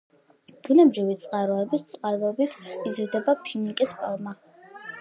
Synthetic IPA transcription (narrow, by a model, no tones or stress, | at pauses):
d̪̥inabʒivit̪sʼqʼaɾɔɛbist̪sʼqʼaɾvɛbit̪ʰizɾd̪ɛbapʰinikʼispʼalˠma